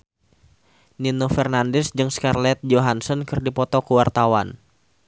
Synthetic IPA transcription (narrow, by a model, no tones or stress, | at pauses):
ninofɛrnandɛsd͡ʒɨŋskarlɛt̪̚d͡ʒoɦansɔnkɨrdipɔt̪ɔkuwart̪awan